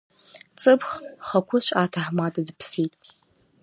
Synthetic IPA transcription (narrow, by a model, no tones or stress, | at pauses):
t͡sʼɨpʰχχakʷʰʊʃʷʼaːtʰaħmatʼadɨpʰsitʼ